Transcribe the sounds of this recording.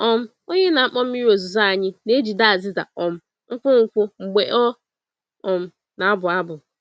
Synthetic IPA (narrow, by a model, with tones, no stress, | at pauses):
ɔ˦m̩˦ | o˦ɲe˦na˨a˦k͡pɔ˦m̩˦i˦ɾo˨zu˨za˦a˨ɲɪ˦ne˦d͡ʒi˨da˦a˨zɪ˦za̰˨ɔ˨m̩˦ | ŋ̩˦kʷʊ˦ŋ̩˨kʷʊ˦ŋ͡m̩˨ɡ͡be˨ʔɔ˦ | ɔ˨m̩˦ | na˨a˦bʊ˨a˦bʊ˨